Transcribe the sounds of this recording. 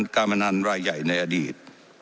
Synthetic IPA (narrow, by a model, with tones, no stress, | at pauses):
nkaː˧nma˧na˧nɾaː˧jːa˨˩jna˧jʔaː˧diː˨˩t̪̚